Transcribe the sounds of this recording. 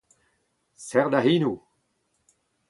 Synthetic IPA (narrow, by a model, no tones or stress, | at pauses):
sɛʁd̪aɦinu